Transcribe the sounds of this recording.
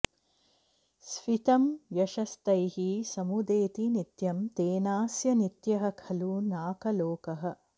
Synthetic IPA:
sʋit̪ɐmjɐʃɐst̪ɐjhisɐmud̪eːt̪init̪jɐmt̪eːnaːsjɐnit̪jɐɦɐ̆kʰɐluːnaːkɐloːkɐɦɐ̆

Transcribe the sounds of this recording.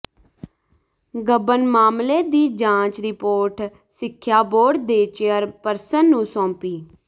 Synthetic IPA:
ɡəbənmaːmleːd̪iːd͡ʒãːt͡ʃɾɪpoːɾʈ | sɪkʰːjaːboːɖd̪eːt͡ʃeːəɾpəɾsənːũːsɔ̃ːpiː

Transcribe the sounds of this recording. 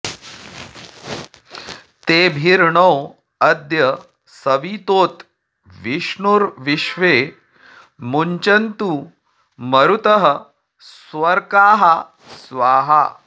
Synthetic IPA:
t̪ebʱiɾɳow | ɐd̪jə | səʋit̪oːt̪ | ʋiʂɳuɾʋiʂʋe | muɲt͡ɕɐnt̪u | məɾut̪əɦə | sʋəɾkaːɦa | sʋaːɦa

